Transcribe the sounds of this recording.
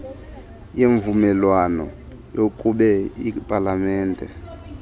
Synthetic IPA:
jeɱvumɛlwanɔ̰ | jokʼuɓɛipʼalamɛːndʱɛ̰

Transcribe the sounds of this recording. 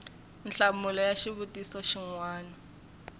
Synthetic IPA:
nɬamulɔjaʃiβutʼisɔʃiŋwaːnɔ

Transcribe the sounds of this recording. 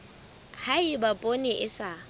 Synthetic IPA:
haɪbapʼonɪʔɪsa

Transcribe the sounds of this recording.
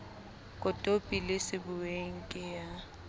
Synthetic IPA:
kʼʊtʼopʼilɪsɪbʊweŋ̩kʼɪja

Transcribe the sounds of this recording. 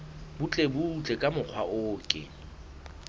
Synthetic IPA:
bʊt͡ɬʼebut͡ɬʼekʼamʊq͡χʰwaʔʊːkʼɪ̰

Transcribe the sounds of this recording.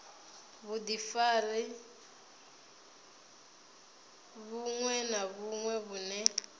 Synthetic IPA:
βudifalɛ | βuŋwɛnaβuŋwɛβunɛ

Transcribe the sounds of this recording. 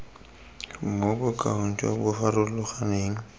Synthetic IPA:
mobʊkʼa̰hʊn̩tʼɔ̰bʊfarʊlʊχaneːŋ̩

